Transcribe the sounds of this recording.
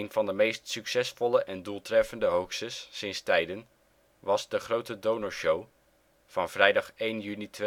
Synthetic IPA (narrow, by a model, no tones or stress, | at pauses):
env̥ɑndəmejstsyksɛsfɔləʔɛndulˠtrɛfəndəɦowksəsːɪnstɛjdən | ʋɑzdəχrowtədownoɹʃow | v̥ɑnv̥rɛjdɑχejnjynitʋ